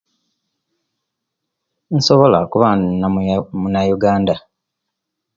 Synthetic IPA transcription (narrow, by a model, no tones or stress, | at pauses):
n̩soβo̞la̰kuβanamunajuɡaːnda